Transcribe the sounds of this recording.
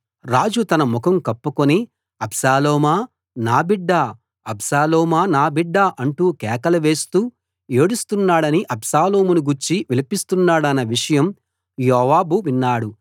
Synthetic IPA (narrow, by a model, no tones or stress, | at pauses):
ɾaːd͡ʒut̪ɐnɐmukʰɐmkɐpːukoni | ɐbsaːlɔːmaː | naːbiɖːaː | ɐbsaːlɔːmaːnaːbiɖːaːʔɐɳʈuːkɛːkɐlɐʋe̞ːst̪uː | eːɽust̪unːaːɽɐniʔɐbsaːloːmunuɡuɾt͡ʃiʋilipist̪unːaːɽɐnɐʋiʂɐjɐm | jɔːʋaːbuʋinːaːɽu